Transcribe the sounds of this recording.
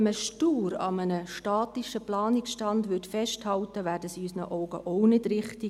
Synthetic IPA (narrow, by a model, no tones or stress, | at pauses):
məʃtuːɾɑ̰mənəʃtɑːtiʃəplɑːnɪksʃtɑndʋʏtfɛʃthɑltəʋæːɾdəsiysnə̰ʔɔʊɡ̥əʔoʊnɪdɾɪχti